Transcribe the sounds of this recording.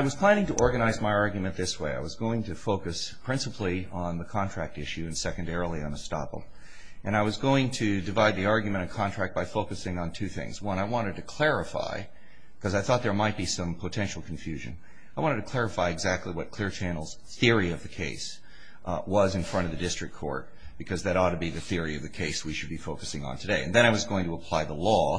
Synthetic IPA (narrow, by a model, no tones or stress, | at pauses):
aɪwʌz̥pʰl̥æ̃ɾ̃ɪ̃ŋtɨʔɔɹɡɨñaɪzmaɪɑɹɡjmɨ̃nðɪsweɪa̰ɪwʌzɡoʊɪ̃ŋtʰɨfoʊkɨspʰɹ̥ɪ̃nsəpʰliə̃nðəkʰɑ̃ntʰɹ̥æk̚tɪʃʉɨ̃nsɛkɨ̃n̩dɛɹl̩ˠiɨ̰̃nəstɑ̰pl̩ˠ | ʔɨ̃ñaɪwʌzɡoʊɪ̃ŋtʰɨdɨvaɪd̪̚ðiɑɹɡjmɨ̃ɾ̃ɨ̃nkʰɑ̃ntʰɹ̥æk̚b̥aɪfoʊkɨsɪ̃ŋə̃ntʰʉθɪ̰̃ŋz̥wʌ̃naɪwɑ̃ɾ̃ɨd̚tɨkʰl̥ɛɹɨfa̰ɪ | kʰʌzaɪθɔt̪̚ðə˞maɪt̚b̥isʌ̃mpʰoʊtʰɛ̃nʃl̩ˠkʰɱ̩fjʉʒɨ̰̃n | aɪwɑ̃ɾɨdtʰɨkʰl̥ɛɹɨfaɪɨɡzæk̚tʰˡliwʌt̚kʰl̥ɪɹt͡ʃʰæ̃nl̩ˠz̥ | θɪɹiʌvðɨkʰeɪs | wʌzɨ̃nfɹʌ̃ɾ̃ʌvðɨdɪstɹ̥ɨk̚kʰɔ̰ɹt̚ | b̥ɨkʰʌzðɨɾɔtɨbiðɨθɪɹiʌvðɨkʰeɪswiʃɨd̚bifoʊkɨsɪ̃ŋə̰̃ntʰɨdeɪɨ̰̃nðɨ̃ɾ̃aɪwʌzɡoʊɪ̃ŋtʰɨəpʰl̥aɪðəlɔ